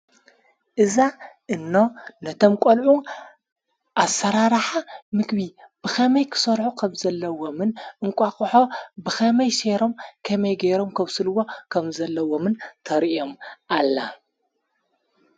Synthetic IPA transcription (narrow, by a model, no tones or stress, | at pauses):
ʔɨzaʔɨnːo̞nɐt̪ʰo̞mkʼolʕu | ʔasːɐɾaɾħamɨkβi | b̥ɨxʰɐmɐjkʰɨ̥sɐɾħukʰɐmzɐlːɐwomɨnʔɨŋkʷʼakʼħo̞bɨxʰɐmɐjʃeɾo̞mkʰɐmɐjɡeɾomkʰɐβsɨlwo̞kʰɐmzɐlːɐwomɨnt̪ʰɐɾiomʔalːa